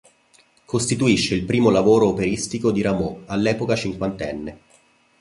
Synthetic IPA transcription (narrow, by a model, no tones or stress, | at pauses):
kʰost̪it̪uiʃːeilpɾiːmolavoːɾoːpeɾist̪ikod̪iɾamoalːɛːpokat͡ʃiŋkwant̪ɛnːe